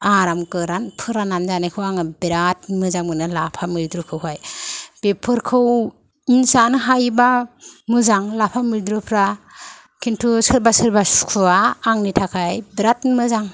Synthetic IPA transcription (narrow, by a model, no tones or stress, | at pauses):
aɾamkɯɾanpʰɯɾananzanajkʰɯwaŋɯbeɾatmɯzaŋɯnɯlapʰamiɾdɾukʰɯwɦajb̥epʰɯɾkʰɯw | insanɯɦajbamɯzaŋlapʰamiɾdɾɯpʰɾa | kʰintʰusɯɾbasɯɾbakʰuaːŋnitʰakʰajbiɾat̚mɯzaŋ